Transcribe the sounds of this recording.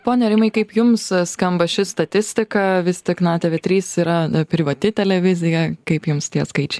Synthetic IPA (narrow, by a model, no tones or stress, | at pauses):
poːnʲɛɾʲɪmɐɪkɐɪpjʊmsskɐmbɐʃʲɪst̪ɐt̪ʲɪsʲt̪ʲɪkɐʋʲɪst̪ʲɪknɑːt̪ʲɛʋʲet̪ʲɾʲiːsiːɾɐpʲɾʲɪʋɐt̪ʲɪt̪ʲɛlʲɛʋʲɪzʲɪjɛkɐɪpjʊmst̪ʲiɛskɐɪt͡ʃʲɛɪ